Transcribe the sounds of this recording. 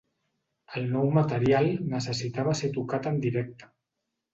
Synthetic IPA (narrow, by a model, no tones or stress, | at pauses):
əlˠnɔwmət̪əɾialˠnəsəsit̪aβəset̪ukat̪ənd̪iɾɛk̚t̪ə̥